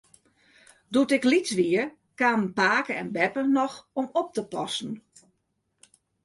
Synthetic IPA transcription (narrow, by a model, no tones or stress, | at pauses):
dutɪklit͡sʋiə | kaːmnpaːkəɛnbɛpənɔxɔmɔp̚təpɔsn̩